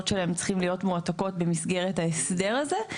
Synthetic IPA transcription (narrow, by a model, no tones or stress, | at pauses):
tʃelaemt͡sχimlijo̞tmuat̪ako̞tbe̞misɡe̞ʁethaesde̞ʁaze